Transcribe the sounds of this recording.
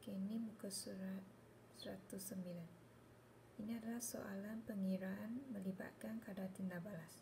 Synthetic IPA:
kenimukəsuɾat̪̚ | səɾat̪usːəmbilan | iniadalahso̰ʔalanpəŋiɾaanmə̃liba̰t̪̚kankadat̪indabalas

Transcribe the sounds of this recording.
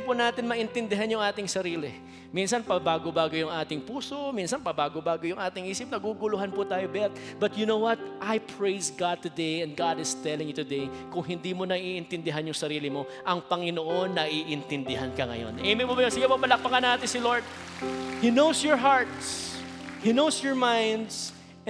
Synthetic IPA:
pʊnaːt̪ɪnmɐʔɪnt̪ɪnd̪ɪɦanjʊŋʔaːt̪ɪŋsɐɾiːlɪ | minsɐnpɐbaːɡobaːɡojʊŋʔaːt̪ɪŋpuːso̞minsɐnpɐbaːɡobaːɡojʊŋʔaːt̪ɪŋʔiːsɪp̚nɐɡuɡʊlʊɦanpʊt̪aːjobɛt̪̚bɐt̪̚jʊnowwɐt̪̚ʔajpʰɹejsɡad̪̚t̪ʊd̪ejɛ̃nd̪̚ɡad̪ɪst̪ɛlɪŋjʊt̪ʊd̪ej | kʊŋɦɪnd̪iːmonɐʔiːʔɪnt̪ɪnd̪ɪɦanjʊŋsɐɾiːlɪmo̞ | ʔɐŋpɐŋɪnoʔonːɐʔiʔɪnt̪ɪnd̪ɪɦankɐŋɐ̰jo̰nʔejmɪmobɐjonsɪɡɛpɐbɐlɐk̚pɐŋɐnaːt̪ɪnsɪloɹd̪̚ | hinowsjɔɹɦaɹt̪s | hinowsjɔɹmãjnd̪s

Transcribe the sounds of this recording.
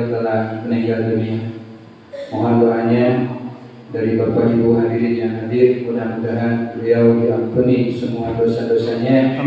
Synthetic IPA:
t̪əlahməniŋɡaldunia | mɔɦanduɾaɲa | daɾipərpad͡ʒibuɦandiɾit̪jaŋɦadɪrudamudaɦat̪̚bliawdiampunisəmuadosadoasaɲa

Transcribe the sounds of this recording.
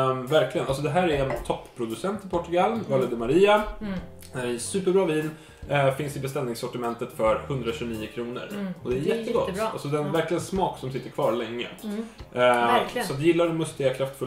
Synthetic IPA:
væɾklɪɡənals̬ɔd̪ɛɦæːɾæɾɛnt̪ʰɔpːʰɾʊd̪ɵsɛnt̪ɪpʰɔʈːɵɡalvɑːlɛd̪əmaɾiːa | d̪æɖɛjɛsʉ̟ːpəɾbɾɑːviːn | fɪnsd̪ɛɪbɛst̪ɛlnɪŋsɔʈɪmɛnt̪ət̪fœɾhɵnd̪ɾaɕʉːniːəkʰɾuːnə̰ɾɔd̪ɛæɾjɛt̪ːəɡɔ̰t̪ːalsɔd̪ɛnvæɾklɪɡənsmɑːksɔmsɪt̪ːəɾkʰvɑːɾlɛŋːə̰ | sɔat̪̚d̪jɪlːaɾɛmːɵst̪ɪːakʰɾaft̪fɵl

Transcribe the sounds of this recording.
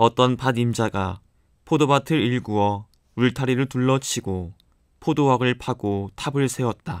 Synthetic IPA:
ʌt͈ʌnpadimd͡ʑaɡa | pʰodobatʰɯɾiɭɡuʌ | uɭtʰaɾiɾɯɭtuɭːʌt͡ɕʰiɡo | pʰodowaɡɯɭpʰaɡotʰabɯɭsʰe̞wʌt̚t͈a

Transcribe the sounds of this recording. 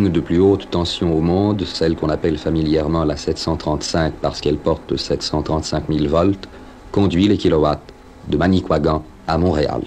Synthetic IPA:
ynd̪əplyot̪ːɑ̃sjɔ̃omɔ̃d̪sɛlkɔ̃napɛlfamiljɛʁmɑ̃lasɛt̪sɑ̃t̪χɑ̃t̪sɛ̃kpaʁsə̥kɛlpɔʁt̪sɛt̪sɑ̃t̪χɑ̃t̪sɛ̃kmilvɔlt̪ | kɔ̃d̪ɥilekʲilɔwat̪ | d̪əmanikwaɡɑ̃ | amɔ̃ʁea̰l

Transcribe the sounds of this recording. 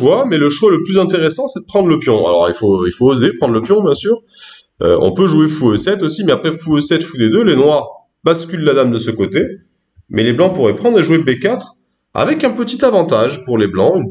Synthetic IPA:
wamɛləʃwaləplyzɛ̃t̪eʁesɑ̃sɛd̪əpχɑ̃d̪ʁləpjɔ̃a̰lɔ̰ʁilfoilfoːzepχɑ̃d̪ʁləpjɔ̃bjɛ̃syːʁ | ø̰ɔ̰̃pøʒuefuøsɛt̪osimɛapχɛfuøsɛt̪fud̪ed̪ølenwaʁ | baskʲylːad̪amd̪əsəkot̪e | mɛleblɑ̃puʁɛpχɑ̃d̪ʁeʒuebekat̪χ | a̰vɛkɛ̃pət̪it̪avɑ̃t̪aʒpuʁleblɑ̃yn

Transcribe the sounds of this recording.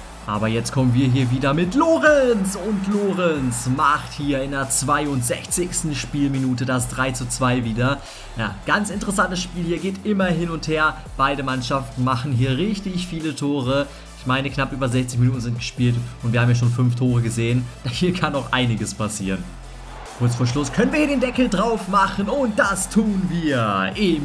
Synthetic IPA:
ʔaːbɐjɛt͡stkʰɔmənviːɐɦiːɐviːdɐmɪtʰloːʁɛnsʊntloːʁɛnsmaχthiːɐɪndeːɐt͡sv̥aɪʊntz̥ɛçt͡sɪçstn̩ʃpiːlminuːtədas̬d̥ʁaɪt͡sut͡sv̥aɪviːdɐ | ja̰ːɡ̥ant͡sɪntəʁəsantəsʃpiːlhiːɐɡeːtʔɪmɐɦɪnʊntheːɐ | b̥aɪdəmanʃaftn̩maχn̩ɦiːɐʁɪçtɪçfiːlətʰoːʁə | ɪçmaɪnəknapʔyːbɐzɛçt͡sɪçminuːtn̩zɪnt̚ɡ̥əʃpiːltʔʊntviːɐaːmjaːʃ̬oːnfʏnftʰoːʁ̞əɡəzeːənd̥hiːɐkʰanaʊxʔa̰ɪnɪɡəspʰasiːʁən | kʰʊɐt͡sfoːɐʃlʊskʰœnənviːɐiɐdeːndɛkl̩dʁaʊfmaχn̩ʊnt̚d̥astʰuːnviːɐʔɪm

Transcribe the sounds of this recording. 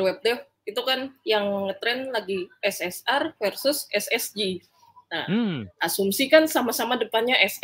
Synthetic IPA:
wɛp̚d̪ɛ | it̪ukanjaŋŋət̪ɾɛnlaɡiʔɛsɛsarfɛrsʊsɛsɛsd͡ʒi | naʔasumsikansamasamadəpanɲaʔɛs

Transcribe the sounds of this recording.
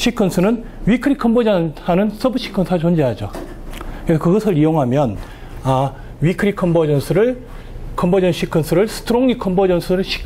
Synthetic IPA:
ɕʰikʰʌnsʰɯnɯn | ɥikʰɯɾikʰʌmbod͡ʑʌnanɯns͈ʰʌbɯɕ͈ʰi̥kʰʌnsʰt͡ɕond͡ʑeɦad͡ʑo | kɾesʰʌkɯɡʌsʰɯɾijoŋɦamjʌn | a | wɥikʰɯɾikʰʌmbʌd͡ʑʌnsʰɯɾɯɭ | kʰʌmbod͡ʑʌnɕʰikʰɯnsʰɯɾɯɭsʰɯ̥tʰɯɾoŋikʰʌmbod͡ʑʌnsʰɯɾɯɭɕʰi̥

